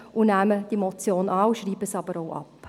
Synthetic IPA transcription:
ʔunæːməd̥imɔt͡sjoːnʔɑːuʃriːbəsɑbəɾoʊʔɑ̰p

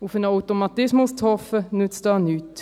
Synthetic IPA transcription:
ʊfənawtomɑtɪsmʊst͡shɔfənʉt͡sdɑːnyːt

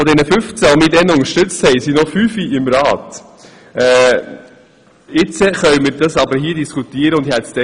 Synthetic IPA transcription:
ɔd̪ɛnəfʏft͡sælmiːdɛnʊŋəʃtʏt͡st̪hɛɪsinɔfyːfiɪmɾɑːt̪ | ɛː | ɪt͡səχœɥməɾdɑsɑbəɾɦiːədiskut̪iːəɾəʊndhɛtsd̥ɛ

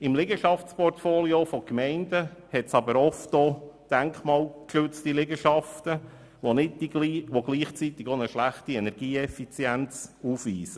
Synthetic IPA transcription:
ɪmlɪɡəʃɑft͡spɔrtfoːliofɔkmɛɪndəhɛtsɑbəɾɔftoːd̥æŋkχmɑːlkʃʉt͡stilɪɡəʃɑft̪ə | ʋonɪdiiʋoɡ̥liːχt͡sit̪ɪɡonəʃlæχtiɛnɛɾɡ̥iːɛfit͡sjænt͡suːfʋiːsə

